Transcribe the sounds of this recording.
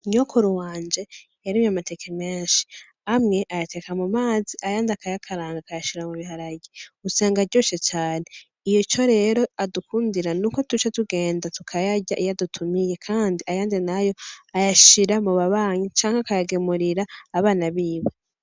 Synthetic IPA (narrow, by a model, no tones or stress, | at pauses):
ɲokoɾuwaːnd͡ʒe̞jaɾimjamate̞kʰemeːnʃi̥ | amŋe̞ʔajate̞kamumaːziʔajaːndakajakʰaɾaːŋɡakajaʃiɾamuβihaɾaɡiɡusaːŋɡaɾɟo̞ːt͡ʃet͡ʃaːne | ijot͡ʃo̞ɾe̞ːɾo̞adukuːndiɾanuːko̞tut͡ʃatuɡe̞ːndatukʰajaɟaʔijadutʰumije̞kʰaːndiajaːndinajo̞ajaʃiɾamuβaβaːɲit͡ʃaːŋhakajaɡemuɾiɾaːβaːnaβiːβa